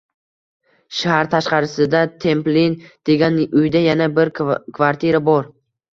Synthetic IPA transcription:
ʃahɾt̪ʰaʃqɑɾɪsɪd̪at̪ʰe̞mplind̪̥e̞ɡʲanʊjd̪ajanabɪɾkʰvaɾt̪ʰiɾabɒɾ

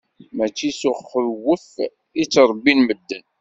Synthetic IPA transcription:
mæt͡ʃːisʊχːəɾwːəf | it͡sːɾˤbːinməd̪ːən

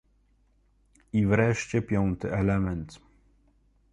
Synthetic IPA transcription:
ivɾɛʂt͡ɕɛpʲjɔnt̪ɘɛlɛmɛnt̪

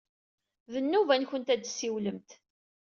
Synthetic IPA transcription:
ðənːuvænçənt̪æd̪siwləmt̪

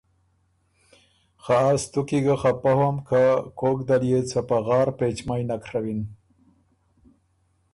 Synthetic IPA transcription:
xaast̪ukiɡaxapahamkakokd̪aljet͡sapaɣɑːɾpet͡ʃmajnakʰɾawin

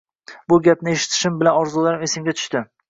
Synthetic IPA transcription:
bʊɡʲap̚nɪe̞ʃɪ̥t̪ʰɪ̥ʃɪmbɪlanɒɾzulˠaɾɪme̞sɪmɡʲat̪ʰʊ̥ʃt̪ɪ

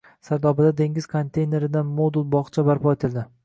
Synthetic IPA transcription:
saɾd̪ɒbɪd̪ad̪e̞ŋɡʲɪz̥kʰont̪ʰe̞jne̞ɾɪd̪anmod̪ulˠbɒχt͡ʃʰabaɾpɒe̞t̪ʰɪlˠd̪ɪ

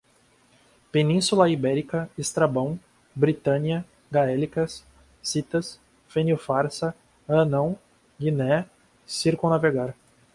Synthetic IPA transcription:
penĩsulɐibɛɾikɐest̪ɾabɐ̃w̃ | bɾit̪ɐ̃niɐ | ɡaɛlikɐsː | it̪ɐs | fẽnjufaɾsɐ | ɐnɐ̃w̃ | ɡinɛ | siɾkõnaveɡaɾ

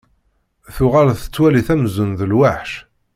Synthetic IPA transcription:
θʊʁalθə̥t͡sːwæliθæmzənðəlwaħʃ

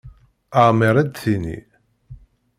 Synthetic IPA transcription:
aʁmiɾˤæd̪θinḭ

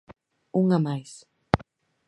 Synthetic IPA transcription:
uŋamajs

